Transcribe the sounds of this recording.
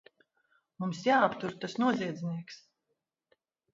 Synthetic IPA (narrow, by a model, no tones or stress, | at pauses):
mumsjaːapt̪uɾt̪asnuɔziɛd̪zʲniɛks